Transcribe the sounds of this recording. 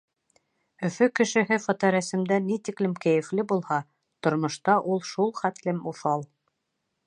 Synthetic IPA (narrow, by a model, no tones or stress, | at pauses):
ɵ̆fɵkɘ̆ʃɘ̆ɦɘfɑt̪ɑɾæsɘ̆md̪ænit̪iklɘmkæjɘ̆flɘbulˠhɑ | t̪ŏɾmŏʃt̪ɑʔulˠʃulˠχæt̪lɘmuʃɑlˠ